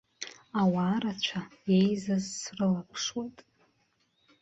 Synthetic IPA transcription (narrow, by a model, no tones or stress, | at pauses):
awaːɾat͡ɕʷʰaejzazsrɨlapʰʂwejtʼ